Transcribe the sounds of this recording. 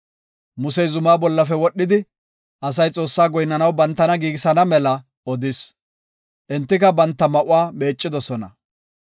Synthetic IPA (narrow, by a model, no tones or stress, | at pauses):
mʊsɛjzʊmaːbɔlːɐfɛwɔɗːɪd̪ɪ | ʔɐsɐjt͡sʼo̞ːsːaːɡɔjnːɐnɐwbɐnt̪ːɐnɐɡiːɡɪsɐnɐmɛlɐ | ɔd̪ɪs | ʔɛnt̪ːɪkɐbɐnt̪ːɐmɐʔʊaːme̞ːt͡ʃʼːɪd̪ɔsɔnɐ̰